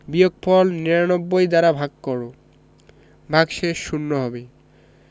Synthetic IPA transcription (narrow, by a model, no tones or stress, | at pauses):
bijok̚pʰɔlniɾanobːojd̪aɾabʱaɡkɔɾo | bʱaɡʃeʃːunːoɦɔbe